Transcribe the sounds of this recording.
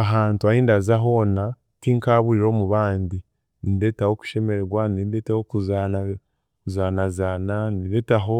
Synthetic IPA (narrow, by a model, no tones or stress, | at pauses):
aɦaːntuahiːndazaɦo̞na | tiŋkaːβuiɾo̞ːmuβaːndi | ninde̞taho̞ku̥ʃe̞me̞ɾeɡwaninde̞tahokuzana | kuzaːnazananide̞taɦo̞